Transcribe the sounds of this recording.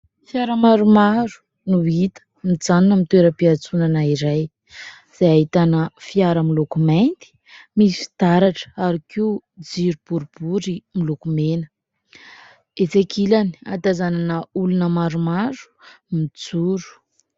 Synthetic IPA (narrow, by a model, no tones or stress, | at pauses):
fiaɾəmaɾumaɾu̥ | nuit̪ə̥ | mid͡zaninəmit̪weɾəpiat͡sunanaiɾaj | z̥ajaɦit̪anəfiaɾəmilokumajnt̪i̥ | misi̥fi̥t̪aɾaʈ͡ʂə̥aɾikiud͡ziɾub̥uɾub̥uɾimilokumenə | et͡sekʰilani̥a̰t̪azananəulunəmaɾumaɾu̥mit͡suɾu̥